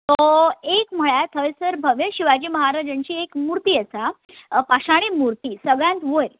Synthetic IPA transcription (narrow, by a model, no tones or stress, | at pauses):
t̪ɔekm̤əɭjat̪ʰəjsəɾbʱəʋjəɕiʋad͡ʑiːməɦaɾad͡ʑəɳt͡ɕiːekmuɾt̪iːəsa | paɕaɽ̃emuɾt̪iːsəɡɭjãnt̪ʋoɾ